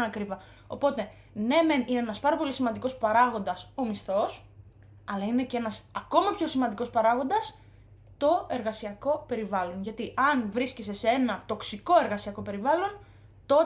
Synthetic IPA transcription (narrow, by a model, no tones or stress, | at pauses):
ɐkɾivɐ | o̞̰po̞t̪e̞ | ne̞menineenɐspɐɾɐpo̞lisimɐnd̪iko̞spɐɾɐɣo̞nd̪ɐso̞misθo̞s | ɐlɐine̞cee̞nɐsɐko̞mɐpço̞simɐnd̪iko̞spɐɾɐɣo̞nd̪ɐs | t̪o̞e̞ɾɣɐsiɐko̞pe̞ɾivɐlo̞nʝɐt̪iʔɐnvɾiscese̞see̞nɐt̪o̞ksiko̞e̞ɾɣɐsiɐko̞pe̞ɾivɐlo̞n | t̪o̞